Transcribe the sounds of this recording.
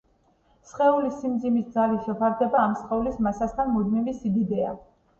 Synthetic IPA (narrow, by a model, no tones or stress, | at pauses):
sχɛulisimd̪zimisd̪zaliʃɛpʰaɾd̪ɛbaːmsχɛulismasast̪ʰanmud̪mivisid̪id̪ɛa̰